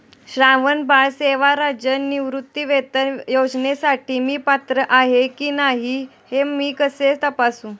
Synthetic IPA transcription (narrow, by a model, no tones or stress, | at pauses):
ɕɾãʋənbaɭseʋaɾad͡ʑənːiʋɾut̪ːiʋet̪əjod͡znesaʈʰiːmiːpat̪ɾəʔaɦekiːnaɦi | hemiːkəset͡st̪əpasũː